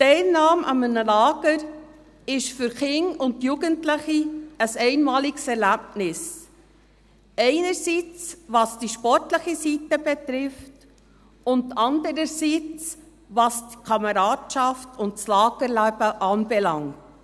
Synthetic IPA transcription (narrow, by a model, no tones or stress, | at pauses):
tɛɪlnɑːmʔɑ̰mənəlɑːɡ̥əɾ | ɪʃfʏɾχɪŋʊnt̚juɡəntlɪχiəsɛɪnmɑːliksɛɾlæbnɪs | ɛɪnəɾsit͡sʋɑːsd̥iʃpɔɾtləχisitəbɛt̪ɾɪft | ʊntɑndəɾəɾsit͡s | ʋɑːsdikʰɑməɾɑːdʃɑftʰʊntslɑːɡ̥əɾlæb̥əʔɑːnbɛlɑŋt